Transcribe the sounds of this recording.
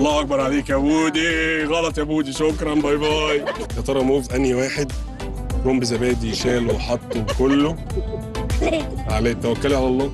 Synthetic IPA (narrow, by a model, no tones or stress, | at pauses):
ɑlˤːɑːʔɑk̚bɑɾˤʕaleːkʔæbuːd̪iɣɑlɑt̪ˤjæbuːd̪iʃokɾˤɑnbɑjbɑːji | hæt̪ˤɑɾˤɑmoːvʔænjiwaːħed̪ | koːmbezæbæːd̪ijʃæːlowħɑt̪ˤːokolːo | ʕalæt̪ːæwækːoliʕalælˤːɑː